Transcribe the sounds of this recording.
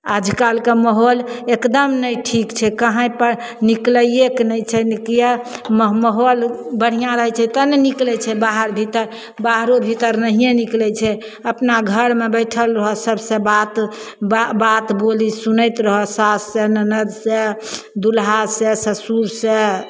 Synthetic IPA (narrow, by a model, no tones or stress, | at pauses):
ad͡ʒʱkalkeməɦolekd̪əmnəjʈʰikt͡ʃʰɛkəɦə̃jpə | nikləjeknəjt͡ʃʰɛnikjemməɦolbəɽ̤ijãɾəɦɛt͡ʃʰɛt̪əneniklɛt͡ʃʰɛbaɦəɾbʱit̪əɾ | baɦɾobʱit̪əɾnəɦijeniklɛt͡ʃʰɛ | əpnaɡʱəɾmebəjʈʰəlɾəɦɔsəbsẽbat̪ | bbat̪bolisunəjt̪ɾəɦɔsasːenənəd̪se | d̪ulɦasesəsuɾse